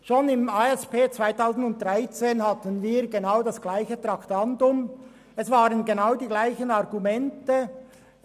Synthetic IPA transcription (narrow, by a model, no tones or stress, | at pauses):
ʃoːnɪmaɛspeːt͡sv̥aɪtʰaʊzn̩dʊnt̚dʁaɪt͡seːnhatənviːʁɡenaʊdasɡ̥laɪçət̪ɾaktandʊm | ɛsv̥aːʁənɡenaʊdiːɡlaɪçənɑʁɡumɛntə